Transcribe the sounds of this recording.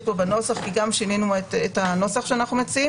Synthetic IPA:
pobano̞saχkiɡamʃininuetethano̞saχʃeanaχnumet͡sii

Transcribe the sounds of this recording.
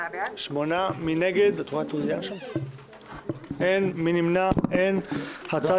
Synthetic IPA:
ʃmonamineɡed̪at̪wat̪uzijanʃan | enminimnaenhat͡sa

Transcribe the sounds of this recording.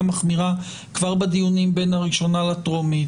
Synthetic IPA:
maχmiʁa | kvaʁbedijunimbe̞nhaʁiʃo̞nalatʁomi

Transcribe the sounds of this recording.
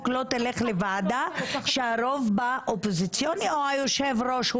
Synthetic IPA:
klot̪eleχlevad̪aʃeaɾo̞vbaʔopozit͡sjonioajoʃevɾo̞ʃ

